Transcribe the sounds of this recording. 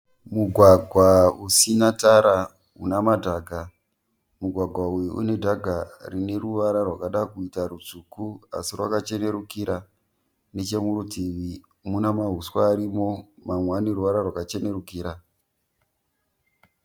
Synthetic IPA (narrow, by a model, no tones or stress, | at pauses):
muɡʱwaɡʱwausinataɾa | unamadʱaːɡʱa | muɡʱwaɡʱwaujiʔṵne̞dʱaɡʱarine̞ruʋaɾarwakaɗakuitaɾut͡sukua̰sirwakat͡ʃe̞ne̞ɾukiɾa | net͡ʃe̞muɾutiʋi | munamaɦuswaːɾimo̞mamwaniruʋaɾarwakat͡ʃe̞ne̞ɾukiːɾa